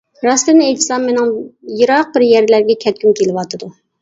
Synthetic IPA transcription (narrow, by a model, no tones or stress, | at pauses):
ɾɑslˠɨnɨejt̪ʰɨ̥sɑmmenɪŋjɨɾɑq̚bɪɾjɛɾlæɾɡʲɛkʲʰɛt̪̚kʲymkʲʰelɪwɑt̪ʰɨd̪u